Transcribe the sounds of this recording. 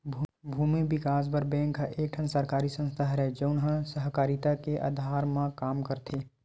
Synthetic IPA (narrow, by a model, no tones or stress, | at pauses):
bʱ | bʱuːmibɪkaːs̬bəɾbɛ̃ːŋkaʔeːk̚ʈʰənsəɾkaːɾisə̃nst̪ʰaːɦɾɛɦɛd͡ʒəʊnɦə̃səɦkaːɾit̪akeʔa̰d̪ʱaːɾmãkaːmkəɾt̪ʰe